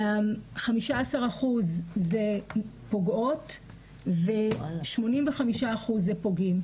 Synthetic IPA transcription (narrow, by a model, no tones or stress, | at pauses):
mχamiʃaasaʁaχuzːepo̞ɡo̞t | veʃmo̞nimveχamiʃaːχuzːepo̞ɡim